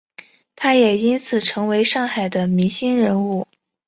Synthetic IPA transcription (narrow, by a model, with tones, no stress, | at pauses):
t̪ʰa˥jɛ˨˩i˥nt͡sʰɹ̩˨˩ʈ͡ʂʰɤ˧˥ŋwe˧˥ɪʂɑ˥˩ŋxa˨˩ɪd̪ə˦mi˧˥nɕi˥nɻə˧˥nu˥˩